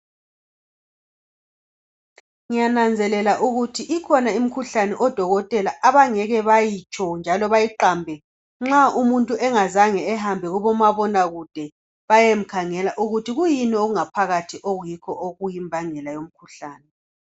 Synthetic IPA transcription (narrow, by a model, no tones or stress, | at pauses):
ŋijanand͡zʱɛlɛlaʔuɣutʰiʔikʰɔnaim̩kʰuɬanɛʔɔd̥ʱɔɣɔtʼɛlaʔaβaŋɛɣɛβajit͡ʃʼɔnd͡ʒʱalɔβajiǃaːmbʱɛ | ŋ͡ǁaumuntʼuɛŋazaŋɛːɦambʱɛɣuβɔmaβɔnaɣud̥ʱɛ | βajem̩kʰaŋɛlaʔuɣutʰiɣujinioɣuŋapʰaɣatʰiʔoɣujikʰɔʔoɣujimbʱaŋɛlajom̩kʰuɬaːnɛ